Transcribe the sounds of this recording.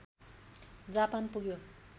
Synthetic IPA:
d͡zapanpuɡjo

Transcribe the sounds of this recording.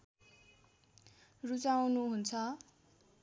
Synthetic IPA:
rut͡sawnuɦunt͡sʰʌ

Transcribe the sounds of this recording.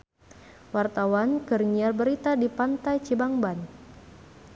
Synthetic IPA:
wart̪awankərŋiarbəɾit̪adipant̪ajt͡ʃibaŋban

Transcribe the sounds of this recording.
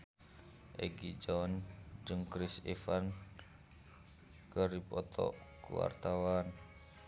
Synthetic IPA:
ʔɛɡid͡ʒɔnd͡ʒɨŋkɾisifan | kəɾipɔt̪ʰɔ̰kṵwa̰rt̪awan

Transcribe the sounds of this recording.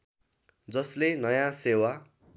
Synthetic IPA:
d͡zʌslenʌjãsewa

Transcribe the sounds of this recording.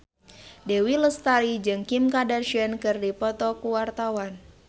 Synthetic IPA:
dewiləst̪aɾid͡ʒɨŋkimkadarʃɛnkɨrdipɔt̪ɔkuwart̪awan

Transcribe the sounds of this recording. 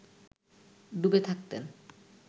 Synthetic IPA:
d̪ubet̪ʰak̚t̪ḛn

